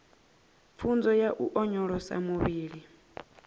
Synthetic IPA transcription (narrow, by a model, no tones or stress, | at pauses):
p̪fʰund͡zɔjaʔuʔɔɲɔɺɔsa̰muβiːɺi